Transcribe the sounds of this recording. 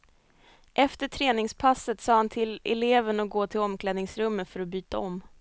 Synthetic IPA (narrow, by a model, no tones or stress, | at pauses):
ʔɛft̪əʈʰɾeːnɪŋspʰasːət̪sɑːhant̪ʰɪlɛ̰leːvənɔk̚ɡoːt̪ʰɪlɔmkʰlɛːd̪nɪŋsɾɵmːəfœɾɔbyːt̪aɔmː